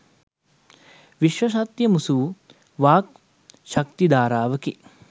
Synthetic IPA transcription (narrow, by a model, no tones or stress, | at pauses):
ʋiʃʋɐʃ̬ɐt̪jɐmusuʋu | ʋaːk̚ | ʃɐk̚t̪id̪aːɾaːʋɐki